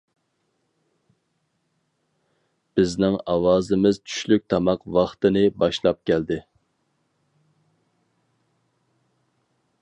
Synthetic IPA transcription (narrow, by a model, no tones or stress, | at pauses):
b̥ɪznɪŋɑwɑːzɪmɪz̥t͡ʃʰy̥ʃlyk̚ʲt̪ʰɑmɑqwɑχt̪ɨnɪbɑʃlˠɑp̚kʲʰɛld̪ɪ